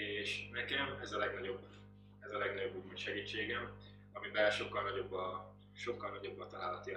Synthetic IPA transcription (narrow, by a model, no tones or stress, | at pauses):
eːʃnɛkɛmɛzɒlɛɡnɒɟo̞bː | ɛzɒlɛɡnɒɟo̞bːulmoʃɛɡiːt͡ʃːeːɡɛm | ɒmibɛlʃo̞kːɒlnɒɟo̞bːɒ | ʃo̞kːɒlnɒɟo̞bːɒt̪ɒlaːlɒt̪i